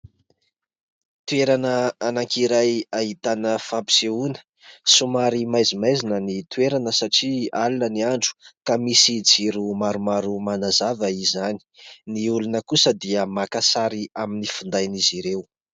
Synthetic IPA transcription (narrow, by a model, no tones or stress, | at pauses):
t̪ueɾanəanaŋkiɾajaɦit̪anəfabi̥seunə̥ | sumaɾimajzimajzinənit̪uweɾanəsaʈ͡ʂialunəniaɳɖ͡ʐu̥kamisid͡ziɾumaɾumaɾumanazavəizani̥niulunəkusəd̪iəmakasaɾiaminifund̪ajniziɾew